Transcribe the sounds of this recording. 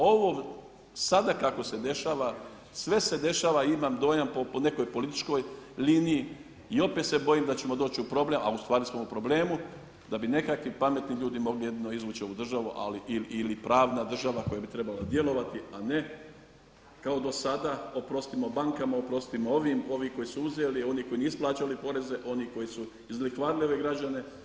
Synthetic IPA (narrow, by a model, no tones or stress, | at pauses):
o̞ʋo | sad̪akako̞se̞d̪e̞ʃaːʋa | sʋe̞se̞d̪e̞ʃaːʋaimamd̪o̞ːjampopone̞ko̞jpo̞lit̪i̥t͡ʃko̞jliniji | io̞pe̞ːt̪se̞bojimd̪at͡ɕe̞mod̪o̞ːt͡ɕiupɾo̞ble̞mʔa̰ust̪ʋaːɾismo̞upɾo̞ble̞ːmu | d̪abine̞kakʋipame̞t̪niʎuːd̪imo̞ɡlije̞d̪ino̞izʋuːt͡ʃioud̪r̩ʒaʋuʔa̰liʔililipɾaːʋnad̪r̩ʒaʋako̞jabit̪ɾe̞balad̪je̞lo̞ʋat̪iane̞ | kaod̪o̞sad̪ao̞pɾo̞st̪imo̞baŋkamaopɾo̞st̪imooʋimo̞ʋiko̞jisuuzelio̞niko̞jinisplˠaːt͡ʃalipo̞ɾe̞ze̞ʔo̞niko̞jisu | izlikʋaːɾilio̞ʋe̞ɡɾad͡ʑane̞